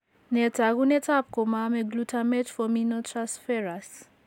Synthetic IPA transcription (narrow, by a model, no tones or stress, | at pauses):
nɛtʰaɣunɛtʰap̚komamɛɡlutʰamɛt͡ʃfɔminotʰɹãnsfɛɹas